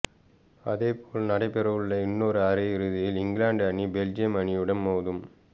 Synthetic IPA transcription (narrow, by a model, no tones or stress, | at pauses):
ɐðeːpoːlnɐɽɐɪpɛɾɐʋɯɭːɐɪnːoːɾɯaɾɐɪɾɯðɪjɪlɪŋɡlaːɳɖɐɳibɛld͡ʒɪjɐmɐɳɪjɯɽɐnmoːðɯm